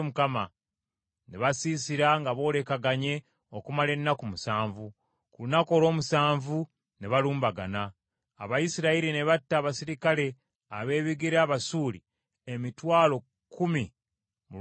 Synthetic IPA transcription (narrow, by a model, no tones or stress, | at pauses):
mukama | neβasiːsiɾaŋɡaβo̞ːle̞kaɡaɲe̞ | okumale̞nːakumusaːɱvu | kulunako̞ːloːmusaːɱvu | neβaluːmbaɡanaː | βajisiɾaiɾine̞βatːaːβasiɾikale̞ | a̰βe̞ːβiɡiɾaːβasuːli | emitwaːlo̞ | kʰːumi | mu